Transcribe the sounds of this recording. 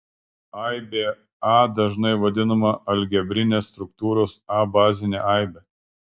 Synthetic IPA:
ɐɪbʲeː | ɑːd̪ɐʒnɐɪʋɐd̪ʲɪnɐmɐʔɐlʲɡʲɛbʲɾʲɪnʲeːst̪ɾʊk̚t̪uːɾoːsɑːbɑːzʲɪnʲḛːʔɑˑɪbʲeː

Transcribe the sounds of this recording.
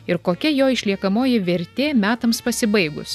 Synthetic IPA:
ɪɾkoːkʲɛjoːɪʃʲlʲiɛkɐmoːjɪʋʲɛɾʲt̪ʲeːmʲæːt̪ɐmspɐsʲɪbɐɪɡʊ̰s

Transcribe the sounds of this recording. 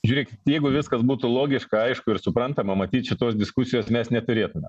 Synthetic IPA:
ʒʲuːɾʲeːkʲɪtt̪jɛɪɡʊʋʲɪskɐsbuːt̪ʊlˠoːɡʲɪʃkɐɐɪʃkʊɪɾsʊpɾɐnt̪ɐmɐmɐt̪ʲiːt̪ʃʲɪt̪oːsd̪ʲɪskʊsʲɪjoːsmʲɛsnʲɛt̪ʊɾʲeːt̪ʊmʲɛm

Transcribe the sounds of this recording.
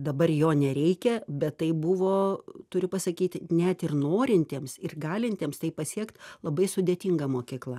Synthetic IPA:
d̪ɐbɐrjoːnʲɛɾʲɛɪkʲɛbʲɛt̪ːɐɪbʊʋoːt̪ʊɾʲʊpɐsɐkʲiːt̪ʲnʲɛt̪ɪrnoːɾʲɪnʲt̪ʲeːmsɪrɡɑːlʲɪnʲt̪ʲeːmst̪ɐɪpɐsʲiɛkt̪lˠɐbɐɪsʊd̪ʲeːt̪ʲiŋɡɐmoːkʲiːklˠɐ

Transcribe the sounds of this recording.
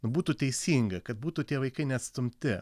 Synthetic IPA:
nʊbuːt̪uːt̪ʲɛɪsʲiːŋɡɐkɐt̪̚buːt̪uːt̪ʲiɛʋɐɪkɐɪnʲɛɐt̪sʲt̪ʊmʲt̪ʲɪ

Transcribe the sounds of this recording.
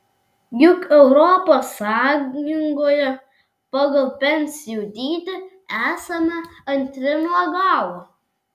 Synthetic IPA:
jʲʊkɛʊɾɔːposɑːjʲɪŋɡojɛ | pɑɡɐlˠpʲɛnʲsʲɪjud̪ʲiːt̪ʲɪ | æːsɐmɐɐnʲt̪ʲɾʲɪnuɔɡɑːwˠo

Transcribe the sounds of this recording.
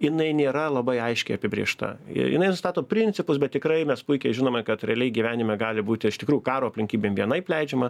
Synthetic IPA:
jɪnɐɪnʲeːɾɐlˠɐbɐɪɐɪʃʲkʲɛɪɐpʲɪbʲɾʲḭːʃt̪ɐ̰ɪ̰jɪ̰nɐɪnʊst̪ɑːt̪oːpʲɾʲɪnʲt͡ssʲɪpʊsbʲɛt̪̚ʲtʲɪkɾɐɪmʲɛspʊɪkʲɛɪʒʲɪnoːmʲɐkɐt̪ɾʲɛɐlʲɛɪɡʲiʋʲæːnʲɪmʲɛɡɑːlʲɪbuːt̪ʲɪɪʃt̪ʲɪkɾuːjʊkɑːɾoːɐpʲlʲɪŋʲkʲiːbʲeːmʋʲiɛnɐɪpʲlʲɛɪd͡ʒʲɛmɐ

